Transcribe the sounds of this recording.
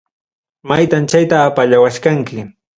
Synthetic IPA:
majt̪ant͡ʃajt̪aːpaʎawaʃkaŋkɪ

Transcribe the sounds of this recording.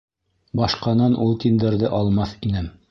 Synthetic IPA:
bɑʃqɑnɑnʔulˠt̪ind̪ɘ̆ɾðɘʔɑlˠmɑθinɘm

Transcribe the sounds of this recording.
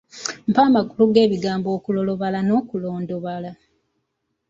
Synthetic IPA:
m̩paːmakuluɡe̞ːβiɡaːmbo̞ːkulo̞lo̞βalano̞ːkulo̞ːndoβala

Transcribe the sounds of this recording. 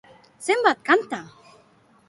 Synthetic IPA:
sɛmbat̪̚kant̪a

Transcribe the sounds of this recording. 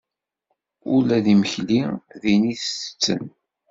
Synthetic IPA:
ʊlæðiməçliðiniθəsə̥t͡sːə̰n

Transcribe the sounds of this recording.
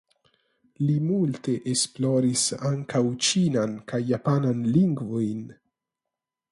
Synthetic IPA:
limulte̞ʔesploɾisaŋkawt͡ʃinankajːapananliŋɡvojn

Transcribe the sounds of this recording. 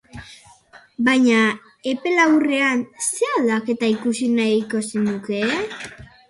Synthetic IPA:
bajɲa | e̞pe̞lawre̞anseald̪ake̞t̪aikusinaiko̞senuke̞

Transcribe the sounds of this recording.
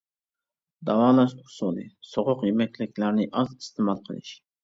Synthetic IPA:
d̪ɑwɑːlˠɑʃʰʊ̥solˠɨ̰soʁʊqjemɛkʲlɪkʲlæɾnɪʔɑzist̪ʰɪmɑlˠqʰə̰lˠɨ̰ʃ

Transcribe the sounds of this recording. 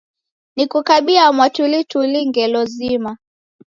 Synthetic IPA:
nikukaɓiamwatulituliŋɡɛlɔzima

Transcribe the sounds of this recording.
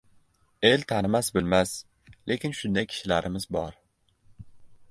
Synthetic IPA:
e̞lt̪ʰanɪmasbɪlmas | le̞kʲɪnʃʊnd̪akʲʰɪ̥ʃɪlaɾɪmɪzbɒɾ

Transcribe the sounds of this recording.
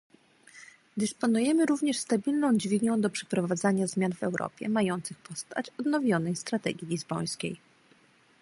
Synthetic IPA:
d̪ɘspɔnujɛmɘɾuvɲɛʂst̪abʲilnɔ̃w̃d͡ʑvʲiɡnɛ̃w̃d̪ɔpʂɛ̥pɾɔvad̪zaɲazmʲjanvɛwɾʔɔ̰pʲjɛ̰majɔnt̪sɘxpɔst̪a̰t͡ɕɔd̪nɔvʲjɔnɛjst̪ɾat̪ɛ̰ɡʲjilʲizbɔj̃skʲḛj

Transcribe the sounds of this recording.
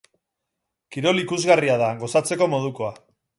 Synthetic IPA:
kiɾo̞likuzɣariaðaɡo̞sat͡se̞ko̞mo̞ð̞uko̞a

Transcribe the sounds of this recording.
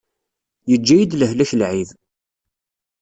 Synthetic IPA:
jəd͡ʒːæjid̪ləhlæçlʕið

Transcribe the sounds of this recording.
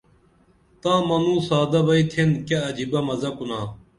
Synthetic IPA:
t̪ãːmɐnũːsaːd̪ɐbɐit̪ʰenkɐɐd͡ʑibɐmɐzɐkunaː

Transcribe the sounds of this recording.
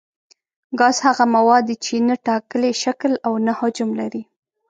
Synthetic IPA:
ɡɑzhaɣamawɑd̪ːit͡ʃenaʈɑkəleʃaklawnahʊd͡ʒʊmlaɾi

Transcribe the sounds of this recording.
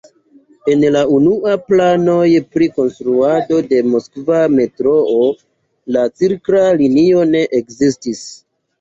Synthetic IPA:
e̞nlaunuaplano̞jpɾiko̞nstɾuado̞de̞mo̞skvame̞tɾo̞o | lat͡siɾkɾalinio̞ne̞ʔekzistis

